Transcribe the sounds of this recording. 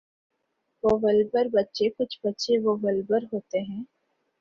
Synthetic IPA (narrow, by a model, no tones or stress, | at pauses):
ʋoːʋəlbəɾbɐtːʃekʊt͡ʃʰbɐtːʃeʋoʋəlbəɾɦoːt̪eɦɛ̃ː